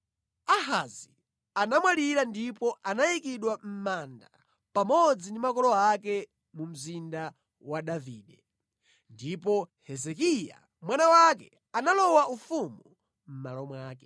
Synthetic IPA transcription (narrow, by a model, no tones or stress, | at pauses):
aɦazi | anamwaliɾandipɔʔanajikiɗwam̩manda | pamɔd͡zindimakɔlɔakɛ | mum̩zinda | waɗaviːɗɛ | ndipɔhɛzɛkija̰ | mwanawak̬ɛ | analɔwaʔufumu | m̩malɔmwaːkɛ